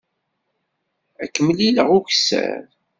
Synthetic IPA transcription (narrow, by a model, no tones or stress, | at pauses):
ækːəməliləʁuçsæ̰ɾ